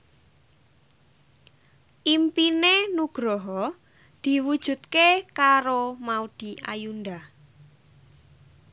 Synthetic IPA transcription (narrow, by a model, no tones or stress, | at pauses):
ʔimpinenuɡ̥ɾɔɦɔ | d̪̥i̤wud̥ʒ̥ṳt̪̚kekaɾomaud̪̥i̤ʔa̰jund̪a